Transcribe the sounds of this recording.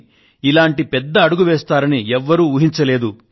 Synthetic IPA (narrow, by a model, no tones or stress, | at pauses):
ilaːɳʈipɛd̪ːɐːɽuɡuʋɛːst̪aːɾɐniɛʋːɐɾuːuɦiɲt͡ʃɐleːd̪u